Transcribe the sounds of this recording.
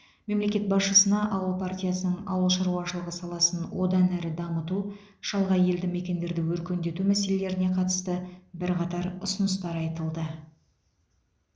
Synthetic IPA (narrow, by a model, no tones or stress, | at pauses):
me̞mle̞kʲe̞t̪̚bɑsʃəsənɑʔɑwəlˠpart̪ʲijasənəɴɑ̰wəlˠʃɑɾuɑʃəlˠəʁəsɑlˠɑsənwo̞d̪ɑnæɾɪd̪ɑmət̪u | ʃɑlˠʁɑje̞ld̪ɪme̞kʲe̞nd̪e̞ɾd̪ɪwɵɾkʲe̞nd̪e̞t̪umæse̞le̞le̞ɾɪne̞qʰɑt̪ə̥st̪əbɪɾqʰɑt̪ɑɾʊsənəs̬t̪ɑɾɑjt̪əlˠd̪ə